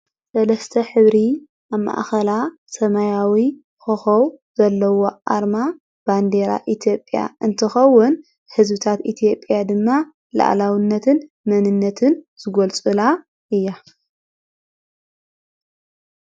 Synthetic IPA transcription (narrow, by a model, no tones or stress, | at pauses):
sɐlɐst̪ʰɐħɨβɾi | ʔaβma̰ʔxɐla | sɐmajawi | xɨxɐwz̥ɐlːɐwo̞ʔa̰ɾma | b̥and̪eɾa̰ʔit̪ʰjo̞pʼja̰ɨnt̪ʰɨxɐwːʊn | ħɨzbɨt̪ʰat̪it̪ʰijo̞pʼːjad̪ɨmːa | la̰ʔlawɨnːɐt̪ʰɨn | mɐnɨnːɐt̪ʰɨnz̥ɨɡolt͡sʼɨla | ʔɨjːa